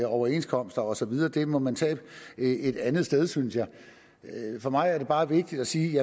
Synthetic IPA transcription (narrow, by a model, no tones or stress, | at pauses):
ɒʊɐe̝nskʰɒ̽m̰sd̥ɐɒ̽sɒ̽ʋið̞ˠɐːd̥e̝mɒ̽mænt͡sʰɛ̰ːb̥e̝d̥ænð̩ˠsd̥eð̞ˠsynsjɑ̈ɪ | fɒ̽mɑ̈ɪæɐd̥e̝b̥ɑ̈ːʋe̝ɡ̥̚d̥id̥æsiːjæ